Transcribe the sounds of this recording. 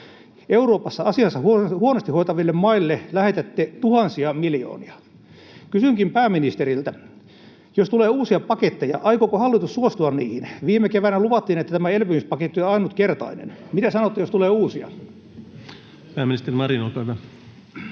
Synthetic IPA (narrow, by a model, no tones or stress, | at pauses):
euɾoːpɑsːɑɑsiɑsːɑhhuonost̪ihoit̪ɑʋilːemmɑilːelæhet̪æt̪ːet̪uhɑnsiɑmiljo̰ːniɑ | kysyŋkimpæːmːinist̪eɾilt̪æ | jost̪uleːuːsiɑpɑket̪ːejɑ̰ʔɑikokohɑlːit̪usːuost̪uɑnnḭːhinʋiːmekeʋænæluʋɑt̪ːiːnet̪ːæt̪æmæelpymyspɑket̪ːioɑinut̪kert̪ɑ̰inḛnmit̪æsɑnot̪ːejost̪uleːuːsiɑ̰ | pæːmːinist̪erimɑɾinolpæiʋæ